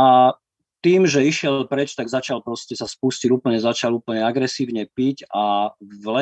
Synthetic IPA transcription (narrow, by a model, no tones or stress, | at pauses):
a | t̪iːmʒɛiʃɪɛllpɾɛt͡ʃt̪aɡzat͡ʃalpɾɔscɛsaspusciuːpl̩ɲɛzat͡ʃaluːpl̩ɲɛaɡɾɛsiːʊɲɛpicavlɛ